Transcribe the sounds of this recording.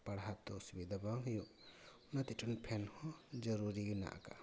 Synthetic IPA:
pɐɽɦat̪ɔsubid̪ʱabaɦjuʔ | nɐt̪iʈʰunpʰɛnhɔ̃d͡ʒɐɾuɾina̰ʔa̰ka̰

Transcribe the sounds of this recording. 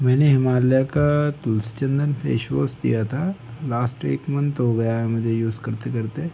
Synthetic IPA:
mɛ̃ːneɦɪmaːljakat̪ʊlsi̥t͡ʃə̃nd̪ənpʰḛːʃʋoːsd̪ḭjat̪ʰalaːsʈḛːkmɐ̃nt̪ɦoɡɐjaɦɛmʊd͡ʒʱejuːzkɐɾt̪ekɐɾt̪e

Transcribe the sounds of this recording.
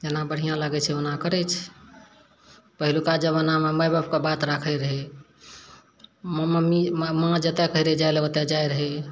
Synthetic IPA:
d͡ʒenabəɽ̤ijãlaɡɛt͡ʃʰɛonakəɾɛt͡ʃʰ | pəɦilukad͡ʒəβənameməjbab̚kebat̪ɾakʰəɾəɦɛ | mmmimmãd͡ʒət̪ekəiɾed͡ʒajleət̪ed͡ʒajɾəɦɛ

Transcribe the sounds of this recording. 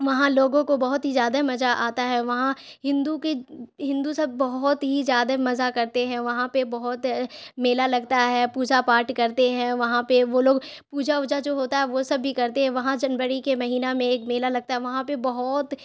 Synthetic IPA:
ʋɐɦãloːɡõkobɐɦʊt̪ɦizjaːd̪amɐzaʔaːt̪aɦɛʋɐɦãɦɪ̃nd̪ukeɦɪ̃nd̪usɐbːɐɦʊt̪ɦizjaːd̪amɐzakɐɾt̪eɦɛ̃ʋɐɦãpebɐɦʊt̪meːlalɐɡt̪aɦɛːpuːd͡ʒapaːɾʈkɐɾt̪eɦɛ̃ʋɐɦãpeʋoːloːɡpuːd͡ʒaʊd͡ʒad͡ʒoːɦoːt̪aɦɛʋosɐbːikɐɾt̪eɦɛ̃ʋɐɦãd͡ʒɐnbəɾikemɐɦiːnamẽeːkmeːlalɐɡ̚t̪aɦɛʋɐɦãpebɐɦɔt̪

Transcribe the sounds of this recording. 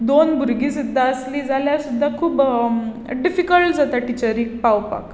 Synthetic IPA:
d̪onbʱuɾɡiːsid̪ʱːaəsliːd͡zʱaljasud̪ʱːakʰuːb | ɖifikəlʈd͡zat̪aʈit͡ɕəɾiːk̚pawpa̰k

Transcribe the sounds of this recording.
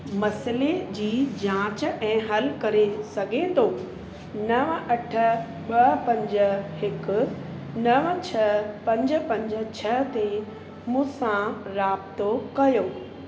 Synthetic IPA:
mɐsled͡ʑiːd͡ʑãːt͡ɕɛ̃ːɦɐlkɐɾesɐɡʱet̪ʰoː | nɐʋʔɐʈʰə̆ | ɓɐɦpɐ̃ɲd͡ʑə̆ɦɪkʊ̆ | nɐʋət͡ɕʰɐpɐ̃ɲd͡ʑə̆pɐ̃ɲd͡ʑə̆t͡ɕʰɐɦt̪e | mũːsãɾaːbt̪okɐjoː

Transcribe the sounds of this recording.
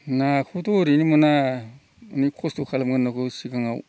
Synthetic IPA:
nakʰutoɾinimana | nikʰostukʰalamɡanːakusikaŋa̰w

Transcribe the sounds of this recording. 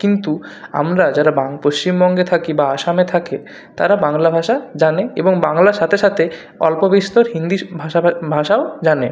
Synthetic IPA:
kint̪ua̰mɾad͡ʑaɾabaŋpoʃt͡ɕimbɔŋɡet̪ʰakibaaʃamet̪ʰake | t̪a̰ɾabaŋlabʱaʃad͡ʑaneḛboŋbaŋlaɾʃat̪ʰeʃat̪ʰe | ɔ̰lpobiʃt̪oɾɦind̪ibʱaʃabʱaʃaod͡ʑane

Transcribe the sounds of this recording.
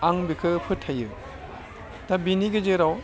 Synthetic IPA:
aŋbikʰɯpʰɯtʰːajɯ | tabiniɡɯzeɾaw

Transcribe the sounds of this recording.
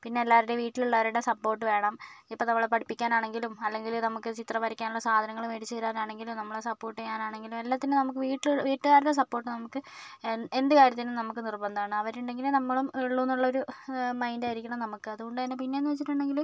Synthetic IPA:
pinːe̞ːlːaːɾiɽeʋiːʈːiluɭːɐʋɐɾuɽe̞sɐpːo̞ːrʈːɨʋe̞ːɳɐmipːoːnɐmːɐɭepɐʈʰipːikʲːaːnaːɳe̞ŋɡilumɐlːe̞ŋɡilnɐmukːɨt͡ɕit̪rɐʋɐɾɐkʲːaːnuɭːɐsaːd̪ʱɐnɐŋːɐɭumeɽit͡ɕːɨiɾaːnaːɳe̞ŋɡilumnɐmːɐɭɽesɐpːo̞ːrʈːɨɲaːnaːɳe̞ŋɡilumelːaːt̪ːinɨnɐmuk̬ːɨʋiːʈːilʋiːʈːɨɣaːɾuɽes̬ɐpːo̞ːrʈːɨnɐmukːɨ | e̞nd̪ɨkaːɾjɐt̪ːinumnɐmukːɨnirbɐnd̪aːɳɨɐʋɐɾuɳɖe̞ŋɡilnɐmːɐɭumeɭːuːnːuɭːɐo̞ɾumɐjndajiɾikʲːɐɳɐmnɐmukːɨɐðuɣo̞ɳɖɐðinːepinːenːɨʋet͡ɕːiʈːuɳɖe̞ŋɡilum

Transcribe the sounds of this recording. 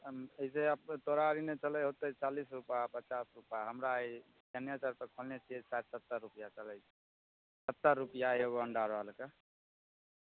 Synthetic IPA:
eiseəpt̪oɾaɾinet͡ʃəlɛjɦot̪ət͡ʃalisɾupapət͡ʃasɾupjaɦəmɾa | d̪anjat͡ʃaɾpekʰolnet͡ʃʰiesat̪sət̪ːəɾːupijat͡ʃəlɛ | sət̪ːəɾːupijaoɡɔəɳɖaɾoɦəlke

